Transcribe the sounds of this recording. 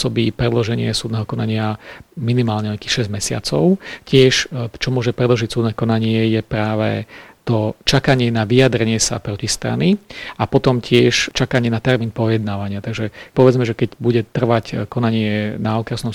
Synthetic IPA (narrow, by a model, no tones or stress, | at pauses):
sɔbipɾɛd̪lɔʒɛɲɪɛsuːd̪nɛːɦɔkɔnaɲɪaminimaːlɲɛɔakixʃɛzɟmɛsɪa̰t͡sɔʊcɪɛʃt͡ʃɔmʊɔʒɛpɾɛd̪lɔʒicsuːd̪nɛːkɔnaɲɪɛjɛpɾaːʋɛ̰t̪ɔt͡ʃakaɲɪɛnaʋijad̪ɾɛɲɪɛsa̰pɾɔcist̪ɾa̰niʔapɔt̪ɔmcʰɪɛʃt͡ʃakaɲɪɛnat̪ɛɾmiːnpɔjɛd̪naːʋaɲɪat̪aɡʒɛpɔʋɛd͡zmɛʒɛkɛcbuɟɛt̪r̩ʋackɔnaɲɪɛnaɔkɾɛsnɔm